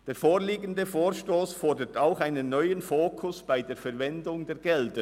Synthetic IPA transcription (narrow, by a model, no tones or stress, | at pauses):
d̥eːfoːɾliːɡən̩dəfoːɾʃtoːsfɔɹdətaʊxaɪnənːɔʏənfoːkʰʊsb̥aɪdeːɐfɛɾvɛndʊŋdeːɡɛldə